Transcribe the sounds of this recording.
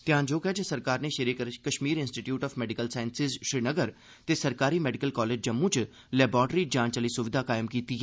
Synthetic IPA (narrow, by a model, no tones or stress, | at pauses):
t̪ɪjãːd͡ʒoːkɛːd͡ʒəsəɾkaːɾneːʃeɾeːkəʃmiːɾɪnsʈiʈjuːʈɔːfmɛːɖɪkəlsaːɪnsɪzʃɾiːnəɡəɾ | t̪eːsəɾkaːɾiːmɛːɖɪkəlkɔːleːd͡ʒd͡ʒəmːũːt͡ʃ | lɛːbɔːʈɾiːd͡ʒãːnt͡ʃəliːsʊʋɪd̪ʱaːkaːɪmkiːt̪iːɦɛː